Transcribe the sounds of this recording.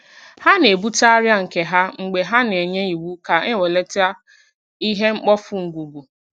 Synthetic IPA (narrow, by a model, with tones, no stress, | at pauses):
ha˦ne˨bu˦ta˦ɾja˦ŋ̩˨ke˨ɦa˦ŋ͡m̩˨ɡ͡be˨ɦa˦n˨e˨ɲe˦i˨wu˦ka˨e˦we˨le˦ta˦ | i˦ɦe˦ŋ͡m̩˦k͡pɔ˦fʊ˦ŋ̩˨ɡʷu˨bu˨